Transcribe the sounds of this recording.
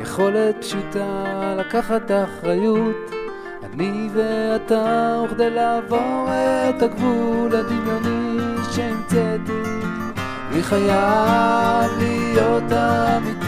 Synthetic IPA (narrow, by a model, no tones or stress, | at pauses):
jeχo̞letʃit̪alakaχat̪aχʁajut | aniveat̪auχd̪elaːvo̞ʁet̪aɡvulad̪iljoniʃeimt͡set̪i | aniχaja | vlijo̞t̪avi